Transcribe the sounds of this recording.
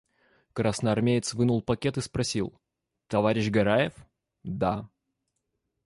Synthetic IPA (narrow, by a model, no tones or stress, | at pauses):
kɾasnəɐrmʲejɪt̪svɨnulˠpɐkʲet̪ɨspɾɐsʲilˠ | t̪ɐvaɾʲɪɕɡɐɾajɪf | d̪a